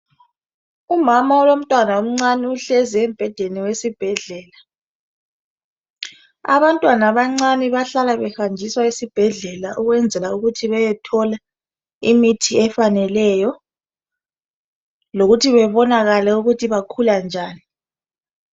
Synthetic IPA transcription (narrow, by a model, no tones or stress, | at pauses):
umamaɔlom̩tʼwanaum̩ŋ͡ǀaniuɬɛziɛmb̥ʱɛd̥ʱeniwesib̥ʱɛɮɛːla | a̰βantʼwanaβaŋ͡ǀaniβaɬalaβɛhand͡ʒʱiswaisib̥ʱɛɮɛlaʔuɣwɛnd͡zʱɛlauɣutʰiβɛjɛtʰɔla | imitʰiɛfanɛlɛjɔ | loɣutʰiβɛβɔnaɣalɛuɣutʰiβakʰuland͡ʒʱaːni